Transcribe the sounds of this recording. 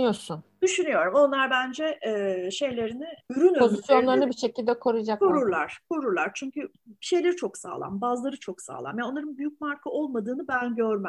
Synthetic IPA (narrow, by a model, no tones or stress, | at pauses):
joɾsund̪̥yʃynyjo̞ɾumo̞nlˠaɾbænd͡ʒɛʔɛːʃe̞jlʲe̞ɾinɪyɾynpo̞zisjo̞nlˠaɾnɯbiʃe̞cilʲd̪ɛkʰo̞ɾud͡ʒakoɾuɾlˠaɾ̥kʰo̞ɾuɾlˠaɾt͡ʃʰyɲcʰy | bi̥ʃe̞jlʲeɾit͡ʃʰo̞ksa̰ːlˠa̰mbazlˠaɾɯt͡ʃʰo̞ksa̰ːlˠa̰mjaonˠaɾɯnbyjyc̚maɾkʰaʔo̞lˠmad̪ɯːnɯbænɟøɾmæ